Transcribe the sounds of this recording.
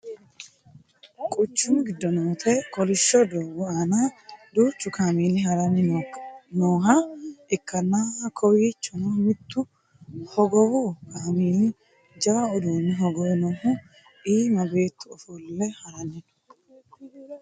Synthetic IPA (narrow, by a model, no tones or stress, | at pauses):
kʼʊt͡ʃːʊnɡɪd̪ːɔnoːt̪ʰɛkɔlɪʃːɔd̪oːwʊaːnad̪uːt͡ʃːʊkaːmiːnɪɦɐɾɐnːɪnonoːɦɐɪkːɐnːaːkʰɔwiːt͡ʃːɔnomɪt̪ːʊ | hɔɡɔwʊkʰamiːn | d͡ʒɐwɐɔd̪uːnːɪɦɔɡɔwnoːhʊ | ʔiːmɐbe̞ːt̪ːʊɔfɔlːɛhɐɾɐnːɪn